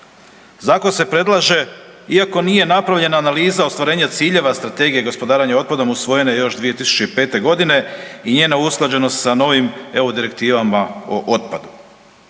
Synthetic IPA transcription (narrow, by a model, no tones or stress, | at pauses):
zaːkonse̞pɾe̞d̪lˠaʒe̞ | iako̞nije̞napɾaʋʎe̞naːnaliːzaost̪ʋaɾe̞ːɲat̪siːʎe̞ʋast̪ɾat̪e̞ːɡije̞ɡo̞spo̞d̪aːɾaɲao̞t̪̚pad̪o̞musʋo̞je̞nejo̞ʃd̪ʋie̞t̪isu̥t͡ɕe̞ipe̞ːt̪e̞ɡo̞d̪ine̞iɲeːnausklˠad͡ʑe̞nost̪sano̞ʋime̞ud̪iɾe̞k̚t̪iːʋamaoʔot̪̚pad̪u